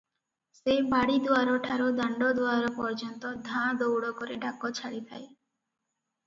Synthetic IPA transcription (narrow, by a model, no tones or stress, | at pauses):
sebaɽid̪uaɾɔʈʰaɾod̪aɳɖɔd̪uaɾɔpɔɾd͡ʒɔnt̪ɔd̪ʱãd̪owɽɔkɔɾeɖakɔt͡ʃʰaɽit̪ʰaj